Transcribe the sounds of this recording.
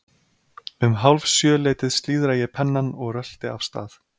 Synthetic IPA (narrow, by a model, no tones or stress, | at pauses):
ʏmɦawlvsjœːleːjt̪ɪðst̪liːðɾajɛpʰɛnːanɔɣrœl̥t̪ɪa̰fst̪a̰ːθ